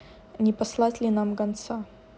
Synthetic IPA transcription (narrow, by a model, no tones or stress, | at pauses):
nʲɪpɐslˠatʲlʲɪnamɡɐnt̪sa